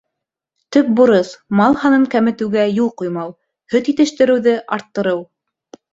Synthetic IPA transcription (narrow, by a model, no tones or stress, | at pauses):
t̪ɵk̚buɾɤsmɑlˠhɑnɤŋkæmɘ̆t̪ɘ̆wɡæjulˠqujmɑw | hɵt̪it̪ɘ̆ʃt̪ɘ̆ɾɘ̆wðɘʔɑɾt̪ːɤ̆ɾɤw